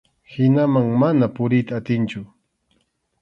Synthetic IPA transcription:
hɪnamaŋmanapʊɾɪjt̪aːt̪ɪnt͡ʃʊ

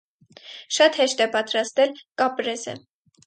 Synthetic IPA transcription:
ʃɑt̪hɛʃt̪ɛpɑt̪ɾɑst̪ɛlkɑpɾɛzɛ̰

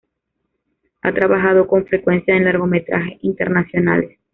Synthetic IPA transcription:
a̰t̪ɾaβaxaðo̞ko̞ɱfɾe̞kwe̞nsjaenlaɾɣo̞me̞t̪ɾa̰xe̞int̪e̞ɾnasjo̞na̰les

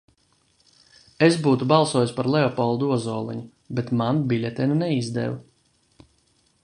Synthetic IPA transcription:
esbuːt̪ubɑlˠsuɔːjuspaɾlˠɛɔpɔlˠd̪uɔzɔːlˠiɲu | bet̪manbilʲɛt̪ʲɛnunɛizd̪ɛ̰vu

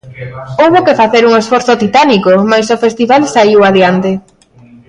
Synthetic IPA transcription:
owβokefaθeɾuŋesfɔɾθot̪it̪anikomajsofest̪iβalsaiwaðjant̪e

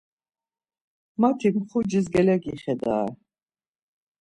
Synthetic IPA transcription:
mat̪ʰimχud͡ʒisɡɛlɛɡiχɛd̪a̰ː

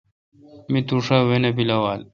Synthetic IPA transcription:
mit̪uʂawenɐbilɐwaːl

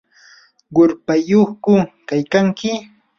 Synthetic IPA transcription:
ɢʊɾpajoχkʊkajkaŋkɪ

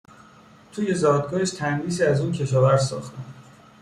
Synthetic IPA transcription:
t̪ʰuːje̞zɒːd̪̚ɡɒːheʃt̪ʰænɾiːsiːæzuːncʰe̞ʃɒːvæɾsɒ̰ːxt̪æm

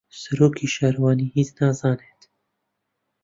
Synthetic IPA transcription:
sɐɾoːkiːʃaːɾwɑːniːɦiːt͡snaːzɑːneːt̪

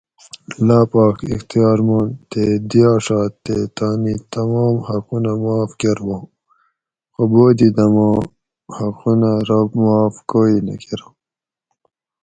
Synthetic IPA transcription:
laːpɑːkḭxt̪ijɑːɾmaːnt̪ed̪ijaːʂɑːt̪ːet̪aːnit̪ɐmɑːmhaqunamaːfkeɾwõː | xoboːd̪id̪ɐmɑ | haqunaɾamaːfkoːinɐ̰keɾa

